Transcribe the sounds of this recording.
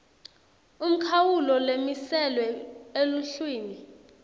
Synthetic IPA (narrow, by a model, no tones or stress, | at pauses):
um̩kʰawulɔlemisɛlwɛeluɬwiːni